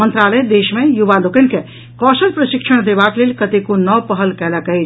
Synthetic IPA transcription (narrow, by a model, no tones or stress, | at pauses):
ənt̪ɾaləd̪eʃmẽjubalokənke | kɔsəlpɾəʃikʃʰəɽ̃d̪ebaklelʲkət̪ekonɔpəɦəlkɛləkɛjt͡ʃ